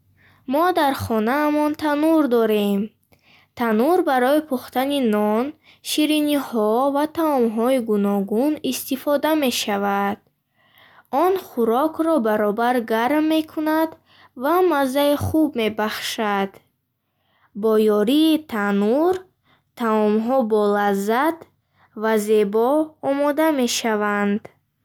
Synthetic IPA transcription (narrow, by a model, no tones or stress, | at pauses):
mɔd̪aɾχɔnaːmɔnt̪ʰanuɾd̪ɔɾe̞m | t̪ʰanuɾbaɾɔipʰuχt̪aninɔn | ʃiɾinihɔvat̪ʰaɔmɦɔiɡunɔɡunist̪ifɔd̪ame̞ʃavad̪̥̚ | ɔnχuɾɔkʰɾɔbaɾɔbaɾɡaɾmːe̞kʰunad̪ | vamazːaiχubme̞baχʃad̪̥ | bɔjɔɾiːt̪ʰanuɾ | t̪ʰaɔmɦɔbɔlazːat̪ | vaze̞bɔːmɔd̪ame̞ʃavand̪